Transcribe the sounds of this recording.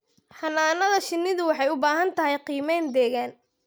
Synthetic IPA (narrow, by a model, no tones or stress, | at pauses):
hɐnaːnɐðɐʃɪnːɪðʊwɑħɑjʊbaːɦɐnt̪ʰɐɦɛjqiːmɛjnd̪ɛːɣaːn